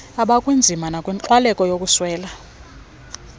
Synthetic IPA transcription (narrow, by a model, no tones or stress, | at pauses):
aɓakʼwind͡zʱimanakʼwint͡ɬwalɛkʼɔjokʼuswɛːla